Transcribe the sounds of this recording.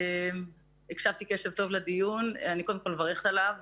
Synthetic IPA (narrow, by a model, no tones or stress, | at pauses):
em | ekʃavt̪ikeʃe̞vt̪o̞vled̪ijunanikod̪emkolmvaʁeχt̪alav